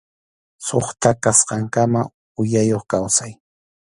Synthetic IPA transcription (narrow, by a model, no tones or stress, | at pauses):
soχt̪akasqɑŋkama | ʊjajoχkawsaj